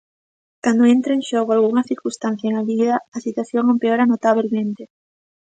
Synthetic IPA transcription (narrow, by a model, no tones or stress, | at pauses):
kand̪oent̪ɾaeŋʃoɣoalɣuŋɐθiɾkust̪an̟θjaeŋaβiðɐɐsit̪waθjoŋompeoɾanot̪aβ̞elmẽnt̪e